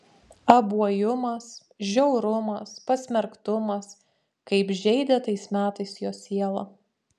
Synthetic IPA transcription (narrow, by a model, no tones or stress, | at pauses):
ɐbuɔjʊmɐs | ʒʲɛʊɾʊmɐspɐsʲmʲɛɾkt̪ʊmɐs | kɐɪpʒʲɛɪd̪ʲɛt̪ɐɪsmʲæːt̪ɐɪsjoːsʲiɛlˠɐ